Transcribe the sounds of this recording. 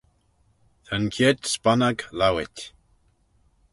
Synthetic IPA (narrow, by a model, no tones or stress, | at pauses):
t̪ʰankʰet̪spanaɡlawɪtʲ